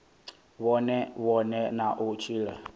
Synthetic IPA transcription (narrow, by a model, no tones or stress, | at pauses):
βɔnɛβɔnɛnaʔʊt͡ʃʰiːlɛ